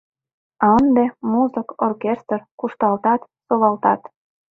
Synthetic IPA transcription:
ɑnd̪emuzə̆korkʲest̪rkuʃt̪ɑlt̪ɑt̪solɑlt̪ɑ̰t̪

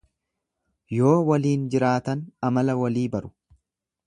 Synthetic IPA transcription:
jo̞ːwɐliːnd͡ʒɪɾaːt̪ɐnɐmɐlɐwɐliːbɐɾʊ̥

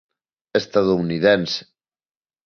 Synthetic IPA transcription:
est̪aðouniðɛnse̥

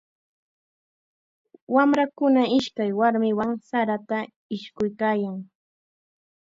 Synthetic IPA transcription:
wamɾakʊnaɪʃkajwaɾmɪwaŋsaɾat̪a | ɪʃkʊjkaːjaŋ

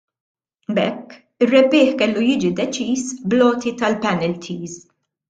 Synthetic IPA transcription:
bɛkː | ɪrːɛbːɪːħkɛlːujɪːd͡ʒid̪ɛt͡ʃiːsblɔːt̪it̪ɐlpɛnɛlt̪ʰiːz

